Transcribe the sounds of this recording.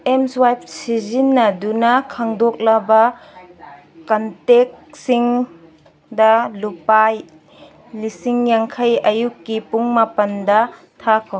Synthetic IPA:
emswajp̚sizinːɐdunɐkʰaŋdok̚lɐbɐ | kɐntek̚siŋ | dɐlupaj | lisiŋjaŋkʰɐjɐjukːipuŋmapɐndɐ | tʰakʰo

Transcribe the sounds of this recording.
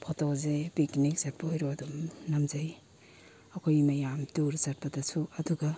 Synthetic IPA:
pʰɔtɔkzepiknik̚sapojɾuad̪umnamzaj | akʰɔjmajamt̪uɾsaɾ̚pad̪asʰuɐd̪uɡa

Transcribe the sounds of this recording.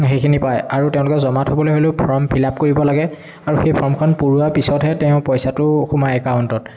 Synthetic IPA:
xejkʰinipajaɹutɛʊ̃lʊkɛzɔmathobɔlojɦoleʊpʰɔɹmpʰilap̚koɹibɔlaɡɛ | aɹuxejpʰɔɹmkʰɔnpuɹuapisɔtɦɛtɛʊ̃pɔjsatʊxumaɛkaʊntɔt

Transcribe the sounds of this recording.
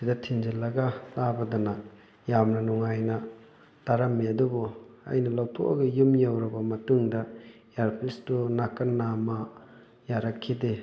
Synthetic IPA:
sidɐtʰiŋd͡ʒilːɐɡɐlabɐdɐnɐ | jamnɐnuŋajnɐ | taɾamːiɐdubuɐ̰jnɐlawtʰoʔa̰ɡɐjumjawɾɐbɐmɐtuŋdɐ | jaɾpʰlistunakɐnːamɐ | jaɾakʰːide

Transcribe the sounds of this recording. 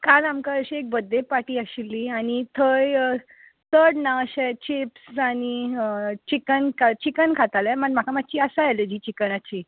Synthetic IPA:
kalamkaəɕiek̚bəd̪ʱːepaʈiːəɕilːiaɽ̃it̪ʰəj | t̪əɽnaəɕɛt͡ɕipsaɽ̃it͡ɕikənkat͡ɕikənkʰat̪alɛməɳm̤akamat̪̚ːt͡ɕiːəsajɛled͡ʑiːt͡ɕikəɳat͡ɕiː

